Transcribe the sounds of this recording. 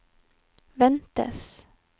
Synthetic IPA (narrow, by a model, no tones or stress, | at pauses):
ʋɛnt̪ə̰s